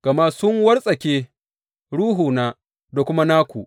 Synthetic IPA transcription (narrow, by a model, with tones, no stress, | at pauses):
ɡ̥ɐ˨ma˦sʊ˦ŋwɐ˦rsʼɐ˨kʲeː˦ | ɽuː˦ɦuː˨naː˦ | da˨kʷʊ˦ma˦naː˦kʷu˨ʔ